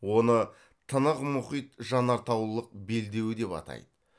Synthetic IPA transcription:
wo̞nə | t̪ʰənəqmʊχijt̪ʒɑnɑɾt̪ɑwlˠəq̚be̞ld̪e̞wɪd̪e̞pɑ̰t̪ɑ̰jd̪ə

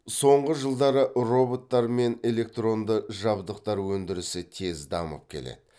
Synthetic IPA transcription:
so̞ɴʁəʒəlˠd̪ɑɾəʔro̞bo̞t̪ːɑɾme̞ne̞le̞k̚t̪ro̞nd̪əʒɑbd̪əq̚t̪ɑɾwɵnd̪ɪɾɪsɪt̪ʰe̞zd̪ɑmə̰p̚kʲʰe̞̰lḛd̪ɪ

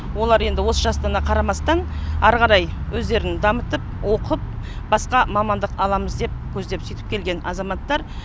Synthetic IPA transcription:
wo̞lˠɑɾe̞nd̪ɪwo̞səʒɑst̪ɑnɑqʰɑɾɑmɑst̪ɑnɑɾʁɑɾɑjwɵzd̪e̞ɾɪnd̪ɑmət̪əp̚wʔo̞qəp̚ | bɑsqɑmɑmɑnd̪əqɑlˠɑməzd̪e̞p̚kʲʰɵzd̪e̞psʏjt̪ɪ̥pkʲʰe̞lɡʲe̞nɑzɑmɑt̪ːɑɾ

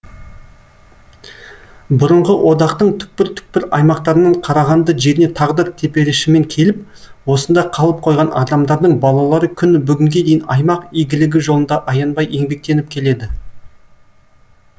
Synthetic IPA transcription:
bʊɾəɴʁəwʔo̞d̪ɑqt̪əɴt̪ʰʏ̥k̚pɪɾt̪ʰʏ̥k̚pɪɾɑjmɑqt̪ɑɾənɑɴqʰɑɾɑʁɑnd̪əʒe̞ɾɪne̞t̪ʰɑʁd̪əɾt̪ʰe̞pe̞ɾɪʃɪme̞ŋkʲʰe̞lɪp̚ | wo̞sənd̪ɑqʰɑlˠəp̚qʰo̞jʁɑnʔɑ̰d̪ɑmd̪ɑɾd̪əɴbɑlˠɑlˠɑɾəkʲʰʏnbʏɡʲɪŋɡʲe̞d̪e̞jɪnɑ̰jmɑqijɡʲɪlɪɡʲɪʒolˠənd̪ɑʔɑjɑnbɑje̞ŋbe̞k̚t̪e̞nɪp̚kʲʰe̞le̞d̪ɪ

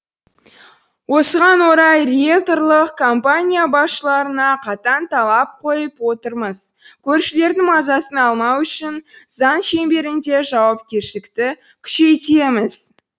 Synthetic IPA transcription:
wo̞səʁɑnwo̞ɾɑjrekt̪o̞rlˠəqkʰo̞mpanʲijabɑsʃəlˠɑɾənɑqʰɑt̪ɑnt̪ʰɑlˠɑp̚qʰo̞jəpwo̞t̪əɾməz̥kʲʰɵɾʃɪle̞ɾd̪ɪŋmɑzɑsənɑlˠmɑwʏʃɪnzɑnʃe̞mbe̞ɾɪnd̪e̞ʒɑwɑp̚kʲe̞ɾʃɪlɪkt̪ɪ | kʲʰʏ̥ʃe̞jt̪e̞mɪz̥

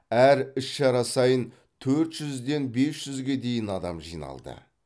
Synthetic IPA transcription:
æɾɪʃʃɑɾɑsɑjən | t̪ʰɵɾt̪ʒ̥ʏzd̪e̞nbe̞sʒ̥ʏzɡʲe̞d̪e̞jɪnɑd̪ɑmʒḭjnɑ̰lˠd̪ə̰

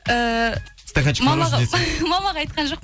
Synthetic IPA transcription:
əst̪akanʃmɑmɑʁemɑmɑʁɑɑjt̪̚qɑnʒo̞q̚p

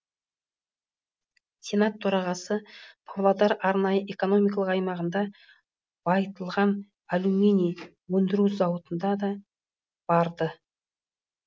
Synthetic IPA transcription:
sʲe̞nat̪ʰːoɾɑʁɑsəpʰavlˠad̪ɑɾɑɾnɑjəʔe̞ko̞no̞mijkɑlˠəqɑjmɑʁənd̪ɑ | b̥ɑjt̪əlˠʁɑn | alume̞nij | wɵnd̪ɪɾuzɑwət̪ənd̪ɑd̪ɑ | b̥ɑɾd̪ə

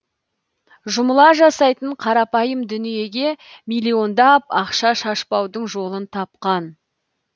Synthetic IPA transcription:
ʒʊməlˠɑʒɑsɑjt̪əɴqʰɑɾɑpɑjəmd̪ʏnije̞ɡʲe̞mijlʲˠːio̞nd̪ɑpɑqʃɑʃɑʃpɑwd̪əɴʒo̞lˠənt̪ʰɑp̚qɑn

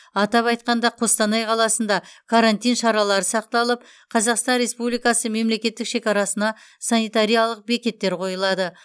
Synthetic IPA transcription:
ɑt̪ɑpɑjt̪qɑnd̪ɑqʰo̞st̪ɑnɑjqʰɑlˠɑsənd̪ɑkʰaɾant̪ijnʃɑɾɑlˠɑɾəsɑqt̪ɑlˠəp̚ | qʰɑzɑqst̪ɑnɾe̞spublijkɑsəme̞mle̞kʲe̞t̪ːɪkʃe̞kʲɑɾɑsənɑ | sanijt̪aɾijalˠəq̚be̞kʲe̞t̪ːe̞ɾqʰo̞jəlˠɑd̪ə

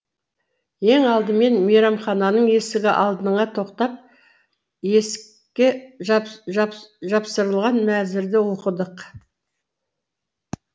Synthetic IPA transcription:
je̞ŋɑlˠd̪əme̞nmijɾɑmχɑnɑnəɴje̞sɪɡʲɪʔɑlˠd̪ənəɴɑt̪ʰo̞qt̪ɑp̚ | jes | kʲːeʒ | ʒɑpsəɾəlˠʁɑnmæzɪɾd̪ɪwo̞qəd̪əq

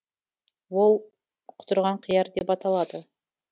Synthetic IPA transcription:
wo̞lˠ | qʰʊ̥t̪ʊɾʁɑɴqʰəjɑɾd̪e̞pɑt̪ɑlˠɑd̪ə

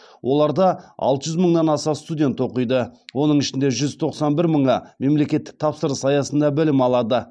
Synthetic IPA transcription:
wʔo̞lˠɑɾd̪ɑɑ̰lˠt̪əʒʏzməɴnɑnɑsɑst̪udʲe̞nt̪o̞qəjd̪əwo̞nəɴɪʃɪnd̪e̞ʒʏzt̪ʰo̞qsɑnbɪɾməɴɑme̞mle̞kʲe̞t̪ːɪ̥k̚t̪ʰɑpsəɾəsɑjɑsənd̪ɑbɪlɪmɑlˠɑd̪ə

